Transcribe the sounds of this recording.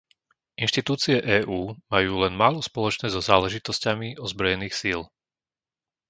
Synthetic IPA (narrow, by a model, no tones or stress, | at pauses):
inʃt̪it̪uːt͡siɛʔɛːʔuːmajuːlɛnmaːlɔspɔlɔt͡ʃnɛːzɔzaːlɛʒit̪ɔscamiɔzbɾɔjɛniːxsil